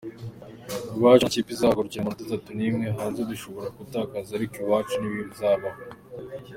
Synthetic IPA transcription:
βaːt͡ʃucipizaːɡoɾucamat̪atatunimŋeɦaːnzed̪iʃoβo̞ɾakutaːkazaɾikuβaːt͡ʃuniβiβizaːβaho

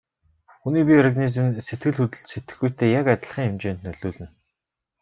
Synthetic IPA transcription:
xuniːp̬ʲiɔrɣanizm̆nset̪̚ɡɘ̆ɮxut̪ɘ̆ɮt͡ɕset̪ɘ̆xɡujʰt̪ʰeːjakat̪ʲɪ̆ɮχiːŋemt͡ɕeːnt̪nœɮʊːɮɘ̆n

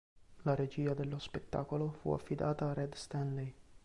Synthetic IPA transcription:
laɾed͡ʒiːad̪elːospet̪ːa̰ːkolofṵa̰fːid̪aːt̪aːrɛd̪st̪anlej

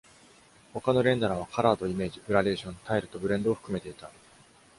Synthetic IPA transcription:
ho̞kano̞ɾẽ̞nd̪aɾaβ̞akʰaɾaːd̪o̞ime̞ːʑibɯ̟ɾaɾe̞ːɕõnt̪ʰaeɾɯ̟t̪o̞bɯ̟ɾẽ̞nd̪oːɸɯ̟̥kɯ̟me̞t̪e̞it̪a

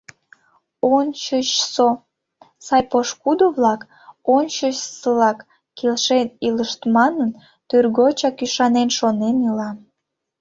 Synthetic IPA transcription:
ont͡ɕət͡ɕso | sɑjpoʃkud̪oβlɑk | ont͡ɕəɕsəlɑkː | elʃeniləʃt̪mɑnən | t̪yrɣot͡ɕɑkyʃɑnenʃonenilɑ

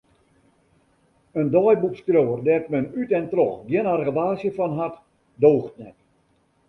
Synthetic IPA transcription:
əndɔjbupskrjowərdɛtmənytɛntrɔxɡjɪnarrəʋaːsjəfɔnɦat | doːxtnɛk

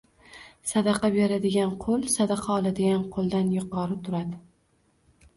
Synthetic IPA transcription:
sad̪ɑqʰɑbeɾad̪ɪɡʲanqʰolˠsad̪ɑqʰɑɒlˠad̪ɪɡʲanqʰolˠd̪anjʊqʰɒɾɪt̪ʰʊɾad̪ɪ

